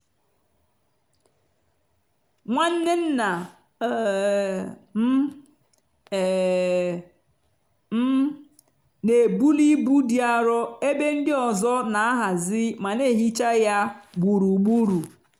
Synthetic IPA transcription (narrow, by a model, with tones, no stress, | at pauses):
ŋʷa˦n̩˦ne˦n̩˦na˨ | m˦˨ | m̩˦ | ne˨bu˦li˦bu˦di˦a˦ɾɔ˦e˦be˦ŋ̩˦dɪ˦ɔ˨zɔ˦na˨a˦ɦa˨zɪ˦ma˨ne˦˨ɦi˦t͡ʃa˦ja˦bʷu˨ɾu˨ɡ͡bu˦ɾu˨